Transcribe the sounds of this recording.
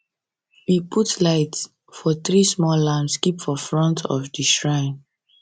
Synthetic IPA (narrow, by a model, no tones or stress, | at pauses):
wipʰutlaɪts | fɔθɹismɔlãmskipfɔfɹɔ̃ntʰɔ̰fdiʃɹãɪ̃n